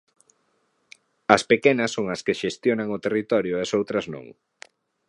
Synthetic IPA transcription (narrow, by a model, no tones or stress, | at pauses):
ɐspekenɐsːoŋɐskeʃest̪jonɐŋʊt̪erit̪ɔɾjʊesowt̪ɾɐznõ̰ŋ